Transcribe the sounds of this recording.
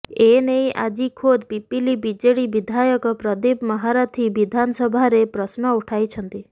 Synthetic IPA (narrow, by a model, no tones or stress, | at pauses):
enejʔa̰d͡ʒikʰod̪pipilibid͡ʒeɽibid̪ʱajɔkɔpɾɔd̪ibmɔɦaɾat̪ʰibid̪ʱansɔbʱaɾepɾɔsnɔuʈʰajt͡ʃʰɔnt̪i